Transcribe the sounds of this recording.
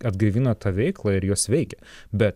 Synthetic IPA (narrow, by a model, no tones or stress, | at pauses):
ɐd̪ɡɐɪʋʲiːnɐt̪ɑːʋʲɛɪklˠɑɪɾjoːsʋʲɛɪkʲɛbʲɛt̪